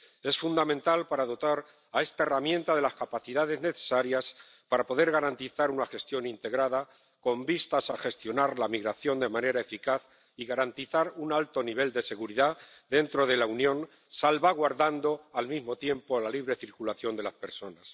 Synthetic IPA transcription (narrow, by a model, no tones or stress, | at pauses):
e̞sfund̪amẽnt̪alpaɾaðo̞t̪aɾ | ae̞st̪aeramjẽ̞nt̪aðe̞laskapaθiðað̞e̞zne̞θe̞̥saɾjas | paɾapo̞ðe̞ɾɣaɾant̪iθaɾunaxe̞st̪jo̞nint̪e̞ɣɾaða | ko̞mbist̪asaxe̞st̪jo̞naɾlamiɣɾaθjo̞nd̪e̞mãne̞ɾaefikaθ | iɣaɾant̪iθaɾunalt̪o̞niβ̞e̞ld̪e̞se̞ɣuɾiðaðe̞nt̪ɾo̞ð̞e̞launjõ̞n | salβaɣ̞waɾðand̪o̞almizmo̞t̪je̞mpo̞laliβɾe̞θiɾkulaθjo̞nd̪e̞laspe̞ɾso̞nas